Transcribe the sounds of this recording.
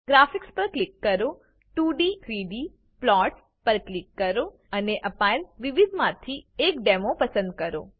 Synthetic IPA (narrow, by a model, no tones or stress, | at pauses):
ɡɾafikspəɾklikːəɾo | ʈuɖiɾiɖi | plɔʈ | pəɾklɪkːəɾo | əneʔəpajlʋɪʋid̪ʱmãt̪ʰiekɖɛmopəsə̃nd̪̚kəɾo̰